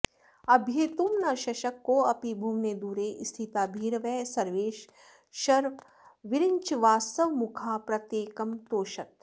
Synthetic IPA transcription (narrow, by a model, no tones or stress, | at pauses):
ɐbʱjeːt̪uːmnɐʃɐʃɐkːoɐpibʱuːmned̪uːɾeʔst̪ʰit̪aːbʱiːɾʋɛːsɐɾʋeːʃ | ʃɐɾʋ | ʋɪɾɪɲt͡ʃʋaːst̪ɐʋmukʰaːpɾɐt̪jeːkɐmt̪oːʃɐt̪̚